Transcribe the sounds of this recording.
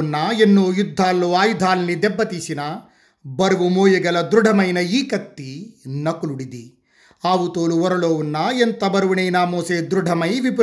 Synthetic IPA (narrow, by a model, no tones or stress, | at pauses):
nːɐenːoːjud̪ʱːaːlːoːaːjud̪ʱaːlnid̪ɛbːɐt̪isinɐ | bɐɾuʋumoːjɐɡɐlɐd̪ɾuɖʱɐmɐjnɐiːkɐt̪ːinɐkuluɽid̪i | aːʋut̪oːluʋɔɾɐɭoːʋunːɐent̪ɐbɐɾɐʋɐɳɐjnamoːseːd̪ɾuɖʱɐmɐjʋip